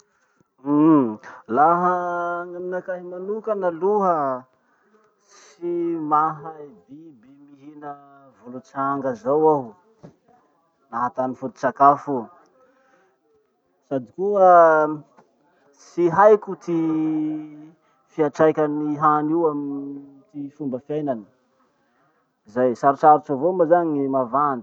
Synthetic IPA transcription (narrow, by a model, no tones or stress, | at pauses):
laɦəŋaminakaɦimanukanaluɦə | s | imaɦabibemiɦinə | vulut͡saŋɡəzawaw | naɦat̪anifut̪i̥t͡sakafu | sad̪ikuə | siɦajkut̪i | fiaʈ͡ʂajkʲaniɦaniwamin | t̪ifumbəfjajnani̥ | izajsaɾut͡ʃaɾut͡savomazaɲimavand̪i̥